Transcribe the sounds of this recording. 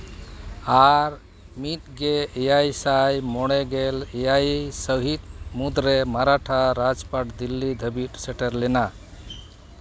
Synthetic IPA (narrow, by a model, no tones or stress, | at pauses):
aɾ | mit̪ɡeejajsajmɔɽ̃eɡelejajsəɦit̪̚mud̪ɾemaɾaʈʰaɾad͡ʒpaʈd̪ilːid̪ʱəbiʈseʈeɾlena